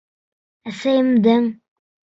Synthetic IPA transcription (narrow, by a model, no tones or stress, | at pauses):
æsæjɘ̆md̪ɘŋ